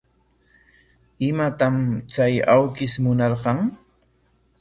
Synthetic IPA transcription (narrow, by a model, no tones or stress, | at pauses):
ɪmat̪amt͡ʃajawkɪsmʊnɑɾɢɑŋ